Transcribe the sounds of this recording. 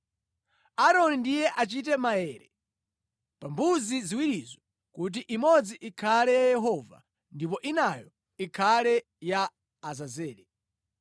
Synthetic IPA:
aɾɔnindijɛʔat͡ʃitɛmaɛɾɛ | pambuziziwiɾizɔ | kut̬iʔimɔd͡ziʔikʰalɛjajɛɦɔva̰ | ndip̬ɔʔinajɔ | ikʰalɛ | jaː | zazɛːɾɛ

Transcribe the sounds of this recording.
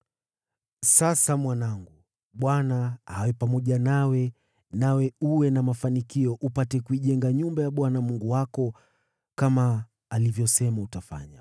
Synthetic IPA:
sasamwanaŋɡu | ɓwanahawɛpamɔʄanawɛ | nawɛuwɛnamafanikiɔʔupatɛkuiʄɛŋɡaɲumbajaɓwanamuŋɡuwakɔ | kamaː | livjɔsɛmautafa̰ɲa

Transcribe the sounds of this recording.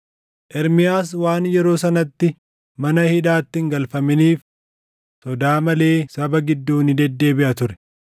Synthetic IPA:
ʔɛɾmɪjaːs̬waːnjɛɾo̞ːsɐnɐt̪ːɪ | mɐnɐhɪᶑaːt̪ːɪŋɡɐlfɐmɪniːf | sɔd̪aːmɐle̞ːsɐbɐɡɪd̪ːuːnɪd̪ɛd̪ːe̞ːbɪʔɐt̪ʊɾɛ̥

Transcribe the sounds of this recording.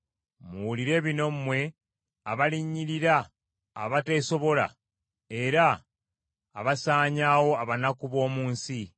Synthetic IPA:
muuliɾe̞ːβino̞m̩mwe̞ | aβaliɲːiɾiɾa̰ː | βate̞so̞βo̞la̰ | e̞ɾaː | βasaːɲawo̞aβanakuβo̞ːmuːnsi

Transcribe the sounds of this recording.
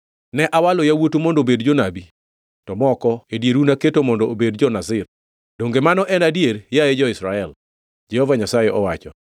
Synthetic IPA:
nɛʔawalojawotumondobedd͡ʒɔnabi | tɔmɔkɔedjeɾunaketomɔndɔobedd͡ʒɔnazɪr | d̥oŋɡemanɔʔɛnadjeɾjaed͡ʒɔɪsɾaɛl | d͡ʒɛhɔvaɲasajeʔɔwat͡ʃɔ

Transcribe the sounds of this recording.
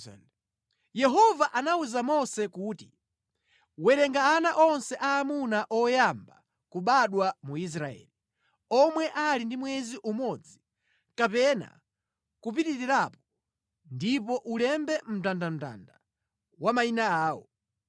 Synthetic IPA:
jɛɦɔvaʔanauzamɔsɛkuːti | wɛɾɛŋɡaːnaʔɔnsɛʔaːmunaʔɔjamba̰ | kuɓaɗwamuis̬ɾaɛ̰ːli | ɔmwɛʔalindimwɛziʔumɔd͡zi | kapɛna̰ | kup̬itiɾiɾapɔ | ndipɔʔulɛmbɛm̩tandam̩ta̰nda | wamainaaːɔ̰

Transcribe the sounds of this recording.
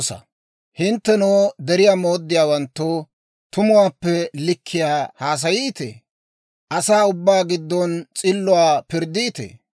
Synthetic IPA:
sɐ̰ | hɪnt̪ːɛnoːd̪ɛɾɪjaːmoːd̪ːɪjaːwɐnt̪ːo | t̪ʊmʊwaːpːɛlɪkʰːɪjaːhaːs̬ɐjiːt̪ḛː | ʔɐsaːʊbːaːɡɪd̪ːɔnt͡sʼɪlːʊwaːpɪɾd̪iːt̪ḛː

